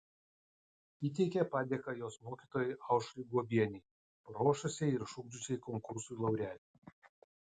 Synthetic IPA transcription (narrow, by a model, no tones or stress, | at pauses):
iːt̪ʲɛɪkʲɛpɑːd̪ʲeːkɐjoːsmoːkʲiːt̪oːjɛɪʔɑˑʊʃlʲɪɡuɔbʲiɛnʲɛɪ | ɾoːʃʊsʲɛɪɪɾʃʊɡd͡ʒʊsʲɛɪkɔŋkʊɾsʊɪlˠɐʊɾʲæːlʲi